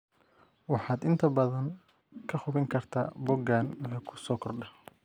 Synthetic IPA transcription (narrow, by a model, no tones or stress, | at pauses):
wɑħɑːd̪ɪnt̪ʰɐbɐðɐŋ | kʰɐχʊβɪŋkʰɐrt̪ʰa̰ːbɔɡaːnːkʰʊ̥sɔːkʰɔrɖɐ